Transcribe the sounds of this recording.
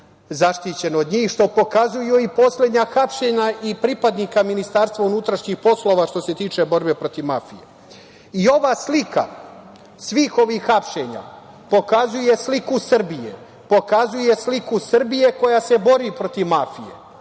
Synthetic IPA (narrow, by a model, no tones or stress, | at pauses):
zaʃt̪it͡ɕe̞no̞d̪ɲiːxʃt̪o̞po̞kazujuipo̞sled̪ɲaxapʃe̞ɲaʔipɾipad̪nikaminist̪aːɾst̪ʋaunut̪ɾaʃɲixpo̞slo̞ʋaʃt̪o̞se̞t̪iːt͡ʃe̞bo̞ɾbe̞pɾo̞t̪iʋmafije | io̞ʋaːslika̰ | sʋiːxo̞ʋixːapʃe̞ɲa̰ | po̞kazuje̞slikusr̩bijḛ | po̞kazuje̞slikusr̩bije̞ko̞jase̞bo̞ɾipɾo̞t̪iʋmafijḛ